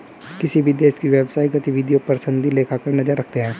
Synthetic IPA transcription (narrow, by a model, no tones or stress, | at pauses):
kɪsibʱid̪eːskiʋjɛːʋsaːiɡət̪iʋɪd̪ijoːpəɾsənd̪ileːkʰaːkəɾnəzəɾːəkʰt̪eɦɛ̃ː